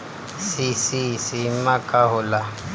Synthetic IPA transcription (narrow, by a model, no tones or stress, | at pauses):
sisisimakʼaɦʊla